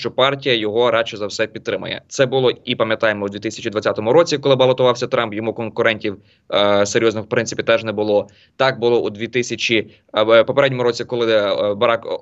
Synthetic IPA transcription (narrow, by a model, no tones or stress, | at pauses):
t͡ʃɔpɑrtʲijɐjɔɦɔɾɑt͡ʃɛzɐwsɛpʲid̪ɾɪmɐ̰jɛ̰t̪sɛbʊlˠɔipɐmjɐt̪ɑjemɔud̪ʋʲit̪ɪsʲɐt͡ʃid̪ʋɐt͡sʲat̪ɔmʊɾɔt͡sʲikɔlˠɪbɐlˠɔt̪ʊʋɑwsʲɐt̪ɾɑmpjɔmukɔnkʊɾɛnʲtʲiw | seɾʲjɔznɔxwpɾɪnsɪpʲit̪ɛʒnɛbʊlˠɔ | t̪ɑk̚bʊlˠɔʔud̪ʲʋʲit̪ɪsʲɐt͡ʃʲi | pɔpeɾɛdʲnʲɔmʊɾɔt͡sʲikɔlˠɪbɐɾɑk